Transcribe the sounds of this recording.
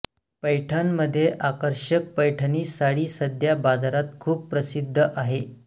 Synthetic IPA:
pəjʈʰənməd̪ʱːjeʔakəɾɕək̚pəjʈʰəniːsaɽiːsəd̪ʱjabad͡zaɾat̪̚kʰuːpːɾəsid̪ʱːəʔaɦe

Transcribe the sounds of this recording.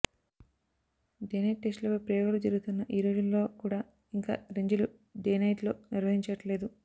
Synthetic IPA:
ɖeːnɐjʈːesʈlɐpɐpɾɐjoɡɐlud͡ʒɐɾuɡut̪unːɐʔiːɾoːd͡ʒunlo̞ːkuːɽaː | iŋka̰ːɾeɲd͡ʒulu | ɖeːnɐjʈlo̞ːniɾʋɐɦiɲt͡ʃɐʈle̞ːd̪u

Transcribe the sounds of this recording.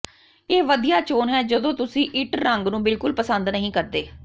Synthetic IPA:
eːʋəd̪ijaːt͡ʃoːnɦɛːd͡ʒəd̪õːt̪ʊsĩːʔɪʈɾəŋɡnũːbɪlkʊlpəsənd̪nəɦĩːkəɾd̪eː

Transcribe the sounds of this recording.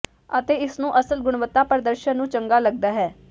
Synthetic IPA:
ət̪eːɪsnũːʔəsəlɡʊɽ̃ʋət̪ːaːpəɾd̪əɾʃənnːũːt͡ʃəŋɡaːləɡ̚d̪aːɦɛː

